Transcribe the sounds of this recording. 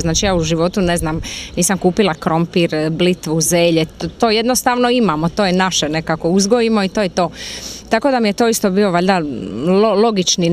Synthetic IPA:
znaːt͡ʃijaːuʒiʋo̞t̪une̞znaːmniːsamkuːpilˠakɾo̞mpiɾblit̪ʋuzeːʎet̪oːje̞d̪nost̪aːʋnoimamot̪oːjenaʃene̞kako̞uzɡoimo̞it̪oːjet̪o̞ːt̪ako̞d̪amijet̪o̞ːist̪o̞bio̞ʋaʎd̪alolˠo̞ɡit͡ʃni

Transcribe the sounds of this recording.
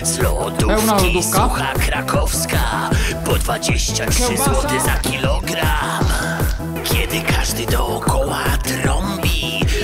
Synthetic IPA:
zlɔ̰d̪uɛnad̪ukaxakɾakʰɔfska | pɔd̪vad͡ʑeɕt͡ɕatʂɨzwɔt̪ɪzakʲilɔɡɾam | kʲjɛd̪ɪkʰaʐd̪ɘd̪ɔːkʰɔwat̪ɾɔmbʲi

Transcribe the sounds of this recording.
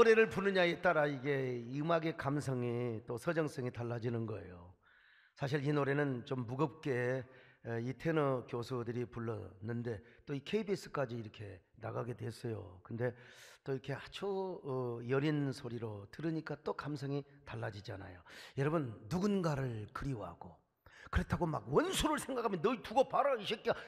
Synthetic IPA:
oɾe̞ɾɯɭpunɯɲaet͈aɾaiɡe̞ɯmaɡe̞kamsʰʌŋit͈osʰʌd͡ʑʌŋs͈ʌŋitaɭːad͡ʑinɯnɡʌe̞̰jo | sʰaɕ̬ʰiɭinoɾe̞nɯnt͡ɕomːuɡʌp̚k͈e̞ | itʰe̞nʌkjosʰudɯɾipuɭːʌ̰nːɯnde̞t͈oikʰe̞ibis͈ɯ̥k͈ad͡ʑiːɾʌkʰe̞ | na̰ɡaɡe̞dwe̞s͈ʌjo̰kɯnde̞t͈oiɾʌkʰe̞hat͡ɕʰo | jʌɾinsʰoɾiɾotɯɾɯɲik͈at͈okamsʰʌŋitaɭːad͡ʑid͡ʑa̰na̰jojʌɾʌbɯnːuɡunɡaɾɯɭkɯɾiwɦa̰ɡ̥o | kɯɾe̞tʰaɡoma̰ɡwʌnsʰuɾɯɭsʰeŋɡakʰamjʌnːʌituɡʌpaɾʌiɕʰik͈

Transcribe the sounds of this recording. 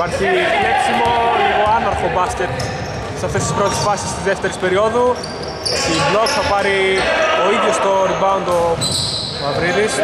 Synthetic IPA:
pɐɾçiepsimo̞liɣo̞ɐnɐɾfobɐscet̪ | sɐft̪est̪i̥spɾo̞t̪isfɐsi̥st̪izðeft̪eɾispe̞ɾio̞ðu | st̪iblo̞kθɐpɐɾioiðjost̪oɾivɐund̪o | mɐvɾiðis

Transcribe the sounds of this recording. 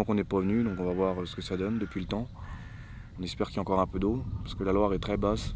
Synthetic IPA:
ɑ̃kɔ̃nɛpavənyd̪ɔ̃kɔ̃vavwaʁøsə̥kəsad̪ɔnd̪əpɥilət̪ɑ̃ | ɔ̃nɛspɛʁkiljaɑ̃kɔʁɛ̃pød̪opaʁsə̥kəlalwaʁɛt̪χɛbas

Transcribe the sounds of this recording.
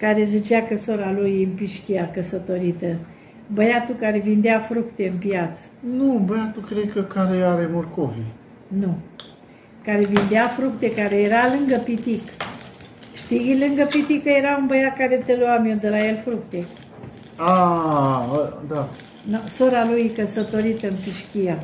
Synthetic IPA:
kaɾe̞zit͡ʃakəsoɾalujɨmpiʃkʲiakəsət̪o̞ɾit̪ə | bəjat̪ukaɾe̞vind̪eafɾukt̪e̞ɨnpjat̪sə̥nubəjat̪ukɾekəkaɾeaɾemorkovi | nu | kaɾevind̪eafɾuk̚t̪e̞kaɾe̞jeɾalɨŋɡəpit̪ik | ʃt̪iilɨŋɡəpit̪ikəje̞ɾaunbəjat̪̚kaɾet̪eluamiod̪əɾajelfɾukt̪e | a | d̪a | nosoɾalujkəsət̪o̞ɾit̪əɨnpiʃkʲija

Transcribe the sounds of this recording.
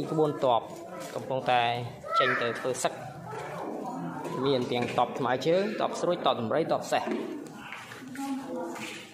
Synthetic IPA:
kəɓuənt̪ŏəp̚ | kɑmpuŋt̪aɛ | t͡ɕəɲt̪ɨwt̪ʰʋəːsək̚ | miənt̪ɛ̆əŋt̪ŏəp̚t̪ʰmaɛt͡ɕəːt̪ŏəp̚sruəc̚t̪ŏəp̚ɗɑmrəjt̪ŏəp̚seh

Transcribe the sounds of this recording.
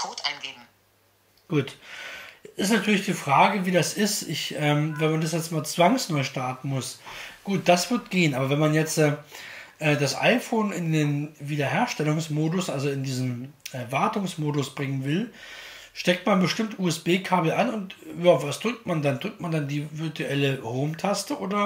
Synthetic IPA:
kʰoːtaɪnɡeːbm̩ | ɡ̥uːt | ɪstnatʰyːɐlɪçd̥iːfʁ̥aːɡəviːdasʔɪstʔɪçʔɛːmvɛnmandasjɛt͡stmaːlt͡sv̥aŋsnɔʏʃtaɐtn̩mʊsɡ̥uːt̚d̥asv̥ɪɐtɡ̥eːənʔaːbɐvɛnmanjɛt͡stɛʔɛːdasʔa̰ɪfoːnɪndeːnviːdɐheːɐʃtɛlʊŋsmoːdʊsʔalzoɪndiːznm̩ʔɛːvaɐtʊŋsmoːdʊsb̥ʁɪŋənvɪl | ʃtɛk̚tmanbəʃtɪmtʔuːɛsb̥eːkʰaːbl̩ʔanʊntjaːvasd̥ʁʏk̚tmandandʁʏk̚t̚mandandiːvɪɐtuʔɛləhoʊmtʰastəʔoːdɐ

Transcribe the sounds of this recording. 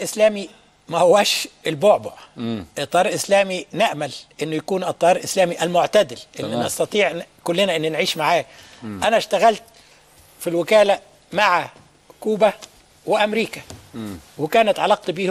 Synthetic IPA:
ʔɪslæːmi | mæhʊwæːʃɪlboʕbʊʔɪt̪ˤːɑːɾˤʔɪslæːmineʔmælʔɪnːʊjækuːnʔɨt̪ˤːɑjɑːɾˤlʔɪslæːmiʔælmoʕt̪æd̪ɪlʔɪnːnʔɑst̪ɑt̪ˤiːʕkʊlːɪnæʔɪnːʊnʕiːʃmaʕaːj | ʔænæʃt̪æɣælt̪̚ | filwɪkæːlæ | maʕa | kuːbæ | wɪʔæmɾiːkæ | wɪkæːnæt̪ʕɑlɑq̚t̪biːh

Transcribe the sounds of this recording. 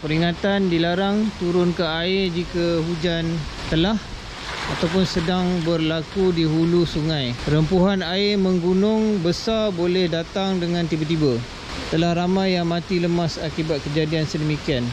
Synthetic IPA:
pəɾiŋat̪andilaɾaŋt̪uɾʊnkaaɪd͡ʒikəhud͡ʒant̪əlah | at̪awpʊnsədaŋbərlakudiɦulusuŋãjpəɾəmpuɦanaɪməŋɡunʊŋbəsarbolɛhdat̪aŋdəŋãnt̪ibat̪iba | t̪əlahramãjːaŋmãt̪iləmasakibat̪̚kəd͡ʒadiansədəmikian

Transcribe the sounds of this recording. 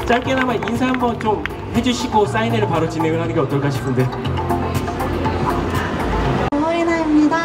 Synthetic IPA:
t͡ɕ͈aɭk͈enamaninsʰaɦambʌnt͡ɕom | he̞d͡ʑuɕʰiɡos͈aineɾɯɭpaɾot͡ɕineŋɯɭɦanɯnɡeʌt͈ʌɭk͈aɕʰi̥pʰɯnde̞ | ʌenamɲida

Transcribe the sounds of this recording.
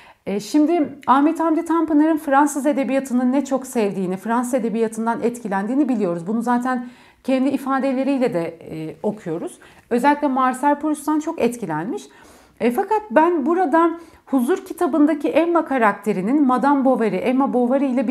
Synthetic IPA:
ɛʃimd̪ɪaːmet̪ʰamd̪it̪ʰampɯnaɾɯnfɾansɯze̞d̪e̞bijat̪ʰɯnɯnːɛt͡ʃʰo̞ksɛvd̪iːnifɾansɯze̞d̪e̞bijat̪ʰɯnd̪anʔɛt̪cʰilʲænd̪iːnibilʲijo̞ɾuzbununzaːt̪ʰæn | cʰɛnd̪iːfaːd̪e̞lʲe̞ɾijlʲɛd̪ɛo̞kʰujo̞ɾuz̥ | ø̞zɛlʲːicʲlʲɛmaɾsæɾpʰolʲust̪ant͡ʃʰo̞kɛt̪cʰilʲænmiʃ | ɛfakʰat̪̚bænbuɾad̪a | huzuɾcʰit̪ʰabɯnd̪aciʔɛmːakʰaɾak̚t̪ʰe̞ɾininmad̪ambo̞vaɾɯʔɛmabo̞vaɾɯjlʲɛb

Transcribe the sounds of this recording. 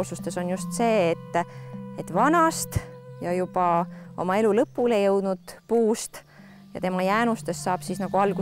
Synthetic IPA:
sust̪e̞so̞njust̪se̞ːt̪ːet̪ːvɑnɑst̪jɑjubɑo̞̰mɑe̞lulɤpːˑule̞jɤwd̪̥nud̪̥puːst̪ | jɑ̰t̪e̞mɑjæːnust̪e̞sːɑːb̥sisnɑɡ̥uɑlɡ̥u

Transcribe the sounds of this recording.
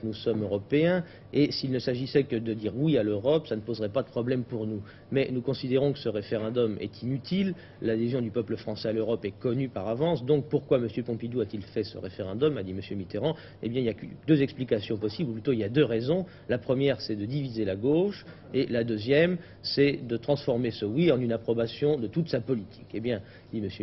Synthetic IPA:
knusɔmøʁɔpeɛ̃ | esilnəsaʒisɛkəd̪əd̪iʁwialøʁɔpsanəpozʁɛpad̪əpχɔblɛmpuʁnu | mɛnukɔ̃sid̪eʁɔ̃kə̥səʁefeʁɑ̃d̪ɔmɛ̰t̪ʰinyt̪ʰil | lad̪ezjɔ̃d̪ypœpləfχɑ̃sɛaløʁɔpɛkɔnypaʁavɑ̃sd̪ɔ̃k̚puʁkwaməsjøpɔ̃pid̪uat̪ilfɛsə̰ʁefeʁɛ̃d̪ɔmad̪iməsjømit̪eʁɑ̃ | ḛbjɛ̃iljakd̪øzɛksplikasjɔ̃pɔsibluplyt̪oiljad̪øʁezɔ̃ | lapχəmjɛʁsɛd̪əd̪ivizelaɡoʃ | elad̪øzjɛm | sɛd̪ət̪χɑ̃sfɔʁmesəwiɑ̃nynapχɔbasjɔ̃d̪ət̪ut̪sapɔlit̪ʰi̥kebjɛ̃ | d̪̥iməsjø

